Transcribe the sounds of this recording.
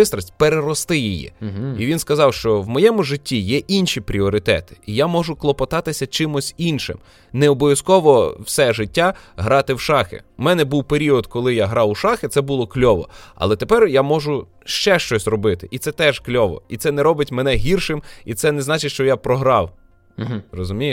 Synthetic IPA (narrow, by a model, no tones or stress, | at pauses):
ɪst̪ɾɐsʲtʲpeɾeɾɔst̪ɪjijɛ̰iʋʲinskɐzɑwʃt͡ʃɔwmɔjɛmʊʒɪtʲːijɛʔinʃipɾʲiɔɾɪt̪ɛ̰t̪ɪ̥ijamɔʒʊklˠɔpɐt̪ɑt̪ɪsʲɐt͡ʃɪmʊsʲinʃɪ̰m | neɔbɔʋʲjɐskɔʋɔwsɛʒɪtʲːaɦɾɑt̪ɪwʃɑxɪ̰mɛnɛbuwpeɾʲiɔd̪kɔlˠɪjaɦɾɑwuʃɑxɪt̪sɛbulˠɔklʲɔʋɔ̰ɐ̰lˠɛt̪epɛrjamɔʒʊ | ʃt͡ʃɛʃt͡ʃɔsʲrɔbɪt̪ɪʔit̪sɛt̪ɛʒklʲɔʋɔ̰it̪sɛnɛɾɔbɪtʲmɛnɛɦʲirʃɪmit̪sɛnɛznɑt͡ʃɪtʲʃt͡ʃɔjapɾɔɦɾɑw | rɔzʊmʲij